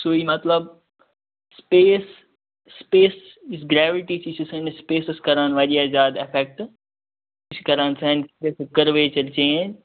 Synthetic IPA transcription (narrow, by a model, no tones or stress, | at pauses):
soːiːmɐt̪ləb | speːsː | peːs | isɡɾɛːʋɪʈit͡ʃʰisʰisɐnspeːsɪskɐɾaːnʋaʄijaːzaːd̪efɛk̚ʈ | ɪskɐɾaːnsɐ̃nsɾeskɐɾʋeːt͡ʃɐlt͡ʃẽːn